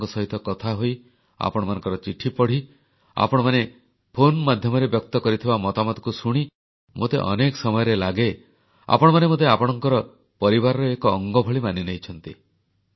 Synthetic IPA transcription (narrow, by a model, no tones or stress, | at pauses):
kɔsɔɦit̪ɔkɔt̪ʰaɦoj | a̰pɔɽ̃manɔ̃ŋkɔɾɔt͡ʃiʈʰipɔɽ̤i | a̰pɔɽ̃ɔmane | pʰonmad̪ʱjɔmɔɾebjɔk̚t̪ɔkɔɾit̪ʰibamɔt̪amɔd̪ɔkusuɽ̃i | mot̪ḛʔɔ̰nekɔsɔmɔjɔɾelaɡe | a̰pɔɽ̃ɔmanemot̪̬eapɔɽ̃ɔŋkɔɾɔ | pɔɾibaɾɔɾeekɔːŋɡɔbʱɔɭimaninejt͡ʃʰɔnt̪ḭ